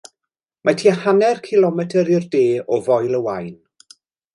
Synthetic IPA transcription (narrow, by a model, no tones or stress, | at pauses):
matʰiːhanɛrkʰɪlˠɔmɛtʰəɾɪrdeːɔvɔjlˠəwajn